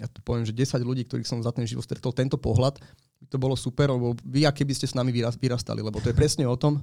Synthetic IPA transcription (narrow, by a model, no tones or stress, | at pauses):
jat̪ɔ̥pɔʋɛmʒɛɟɛsaɟluɟiːk̚t̪ɔɾiːxsɔmzat̪ɛnʒiʋɔt̪st̪ɾɛt̪ɔlt̪ɛnt̪ɔpɔɦlat̪ | b̥it̪ɔbɔlɔsupɛɾalɛbɔʋiakɛbiscɛsnamiʋiɾaʋiɾast̪a̰lḭlɛbɔt̪ɔjɛpɾɛsɲɛɔt̪ɔm